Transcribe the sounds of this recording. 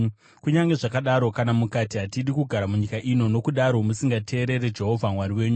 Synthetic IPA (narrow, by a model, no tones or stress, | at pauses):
kuɲaŋɡe̞ʐakaɗaɾo̞kanamukatiɦatiɗikuɡʱaɾamuɲikaʔino̞no̞kuɗaɾo̞musiŋɡatʰe̞ːɾe̞ɾe̞d͡ʒe̞ɦo̞vʱamwaɾiwe̞ːɲu